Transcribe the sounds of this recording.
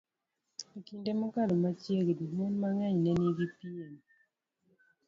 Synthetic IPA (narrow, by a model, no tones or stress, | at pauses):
ekindemokalomat͡ʃjeɡdimonmaŋɛɲnɛniɡipien